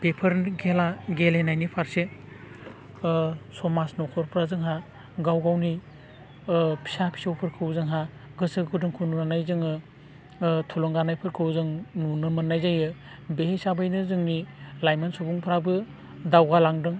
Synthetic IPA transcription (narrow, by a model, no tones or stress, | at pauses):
pepʰɐɾɡelaɡelenajnipʰaɾse | sɔmasnɔkʰɔɾpʰɾazɯŋɦa | ɡawɡawni | pʰi̥sapʰi̥sawpʰɯɾkʰɯwzɯŋɦa | ɡɯsɯkʰudɯŋkʰununanajzɯŋɯ | tʰulɔŋɡanajpʰɯɾkʰɯwzɯŋnunɯmɯnːajzajɯ | behesabajnɯzɯŋnilajmansobuŋpʰɾabɯ | dawɡalaŋdɯŋ